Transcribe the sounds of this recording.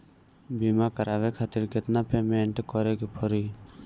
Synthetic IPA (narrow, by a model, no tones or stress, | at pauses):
biːmakəɾʔaːʋekʰaːt̪ɪɾkɪt̪napeːmẽɳʈkɔɾekepʰɔɾi